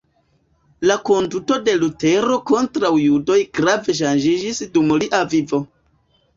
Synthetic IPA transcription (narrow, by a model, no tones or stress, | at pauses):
lako̞nduto̞de̞lute̞ɾo̞ko̞ntɾawjudo̞jɡɾave̞ʃ̬and͡ʒid͡ʒisdumliʔavivo̞